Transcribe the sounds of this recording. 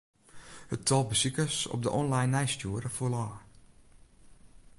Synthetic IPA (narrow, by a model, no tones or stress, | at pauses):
həttʰɔlˠbəsikəsɔ̰p̚dəʔɔnlajnːɛjstjuːəɾəfulaː